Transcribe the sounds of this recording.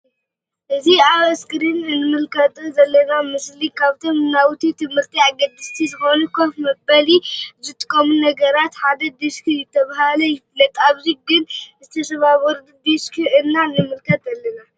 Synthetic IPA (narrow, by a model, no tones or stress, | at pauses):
ʔɨziawɛskɾinɨnːɨmɨlkʰɐt̪ʼzɐlːɐnamɨslikʰaβt̪ʰomnawt̪ʰit̪ʰɨmhɨɾt̪ʰiaɡɐd̪ɨst̪ʰizɨxonukʰofmɐbɐlizɨt̪ʼɨ̥kʼːɐmunɐɡɐɾat̪ħad̪ɐd̪ɨskʰɨjɪt̪ʰːɐβaɦalɐjɪfɨlɐt̪ʼaβziɡɨnzɨt̪ʰɐsɐβawɔɾd̪ɨd̪ɨskʰiʔɨnːanɨmɨlkʰɐt̪ɐlːɐna